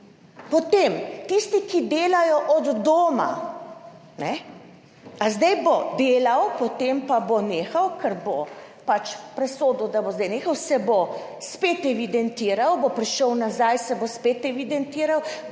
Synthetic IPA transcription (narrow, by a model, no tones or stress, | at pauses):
pɔt̪eːmt̪ist̪ikid̪eːlajɔʔɔd̪ːoːma̰ | nɛ | azd̪ɛjbod̪eːlawpɔt̪empaboneːxawkʰɛɾbopat͡ʃpɾɛsoːd̪od̪abozd̪ɛjneːxawsɛbospeːt̪ɛʋid̪ɛnt̪iːɾawbopɾiʃɔwnazajsɛbospeːt̪ɛʋid̪ɛnt̪iːɾaw